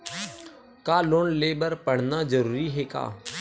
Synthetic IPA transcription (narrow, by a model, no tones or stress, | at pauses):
kaːloːnleːbəɾpəɽ̤nad͡ʒəɾuːɾiɦeːka̰ː